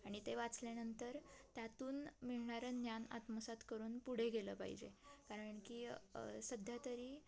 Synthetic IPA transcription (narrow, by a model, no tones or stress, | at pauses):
aɽ̃it̪eʋat͡slanənt̪əɾt̪jat̪uːnmiɭɳaɾənjana̰t̪məsat̪kəɾuːnpuɽ̤eɡelə̰pa̰ɦḭd͡ʑḛkaɾəɳkisəd̪ʱjat̪əɾiː